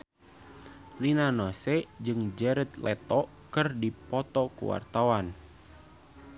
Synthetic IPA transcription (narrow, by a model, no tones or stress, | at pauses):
linanosɛd͡ʒɨŋd͡ʒɛɾət̪lɛt̪ɔ | kɨrdipɔt̪ɔkṵwa̰rt̪awan